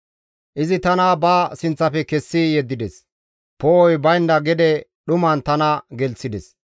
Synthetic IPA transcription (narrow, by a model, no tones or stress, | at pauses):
ʔɪzɪt̪ɐnɐbaːsɪnt͡sːɐfɛkɛsːijɛd̪ːɪd̪ɛs | poːɔjbɐjndɐɡɛd̪ɛɗʊmɐnt̪ɐnɐɡɛlt͡sːɪd̪ɛs